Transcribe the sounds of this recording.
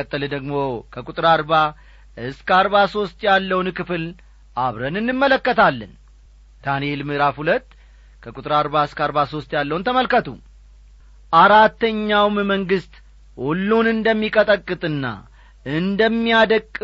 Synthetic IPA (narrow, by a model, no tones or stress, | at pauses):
ət̪ʼːələd̪əɡmo̞kʰəkʼut̪ʼɨɾaɾba | ɨskʰəaɾβaso̞st̪jalːəwunkɨfɨl | ʔaβɾənɨnːɨmːələkːət̪ʰalːən | d̪̥anielmɨɾafhulət̪ː | kʰəkʼut̪ʼɨɾaɾβaɨskʰəaɾβaso̞st̪jalːəwunt̪ʰəməlkət̪ʰṵ | ʔaɾat̪ːəɲːawmməŋɡɨst̪ | hulːunɨnd̪əmːikʼət̪ʼəkʼːɨt̪ʼɨnːa̰ | ɨnd̪əmːijad̪əkʼː